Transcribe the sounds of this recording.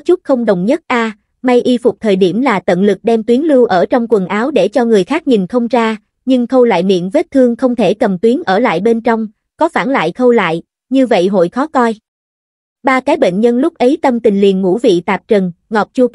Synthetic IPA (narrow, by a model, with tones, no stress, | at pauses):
t͡ɕʊ˦˥k͡p̚xə˧wŋ͡mɗə˨wŋ͡mɲə˦˥t̚ʔaː˧ | ma˧jʔi˧fʊ˨˩k͡p̚t̪ʰəː˨˩jɗi˧˩əmlaː˨˩t̪ə̰˧˨nlɨ˨˩k̚ɗɛ˧mt̪wi˨˦nlɨ˧wʔəː˧˩t͡ɕɔ˧wŋ͡mkwə˨˩nʔaː˨˦wɗe˧˩t͡ɕɔ˧ŋɨ˨˩əjxaː˦˥k̚ɲi˨˩nxʰə˧wŋ͡mt͡ɕaː˧ | ɲɨ˧ŋkə˧wla̰ː˧˨jmḭ˧˨ənve˦˥t̚t̪ʰɨ˧əŋxə˧wŋ͡mt̪ʰe˧˩kə˨˩mt̪wi˨˦nʔəː˧˩la̰ː˧˨jɓe˧nt͡ɕɔ˧wŋ͡m | kɔ˨˦faː˧˩nla̰ː˧˨jxə˧wla̰ː˧˨j | ɲɨ˧və̰˧˨jɦo̰˧˨jxɔ˨˦kɔ˧j | ɓaː˧kaː˨˦jɓḛ˧˨ŋ̟ɲə˧nlʊ˦˥k͡p̚ʔə˨˦jt̪ə˧mt̪ï˨˩ŋ̟lḭ˨ənŋṵ˧˥vḭ˧˨t̪aː˨˩p̚t͡ɕə˨˩nŋɔ˨˩p̚t͡ɕu˧p̚